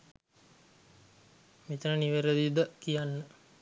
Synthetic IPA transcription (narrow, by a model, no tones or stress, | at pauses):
mit̪ənəniʋeɾəd̪id̪əkijanːə